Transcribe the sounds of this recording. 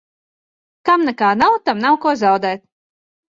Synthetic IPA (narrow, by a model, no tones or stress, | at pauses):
kamnɛkaːnawt̪amnawkuɔzawd̪ɛːt̪̚